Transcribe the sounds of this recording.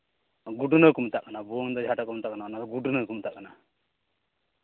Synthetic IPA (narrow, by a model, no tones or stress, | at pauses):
ɡuɖunəkumt̪aʔkanabuŋd̪ɔd͡ʒʱaʈakumt̪aʔkanakːanad̪ɔɡuɖunəkumt̪aʔkana